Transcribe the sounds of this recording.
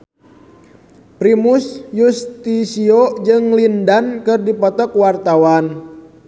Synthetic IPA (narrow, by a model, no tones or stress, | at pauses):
pɾimusjust̪isiod͡ʒɨŋlindankɨrdipɔt̪ɔkwart̪awan